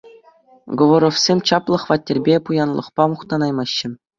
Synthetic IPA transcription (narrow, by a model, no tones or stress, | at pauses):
ɡŏʋŏɾofsʲemʲt͡ɕɑplˠɤ̆χʋɑtʲːĕrʲbʲepujɑnlˠɤ̰̆χpɑmuχt̪ɑnɑjmɑɕːɘ̆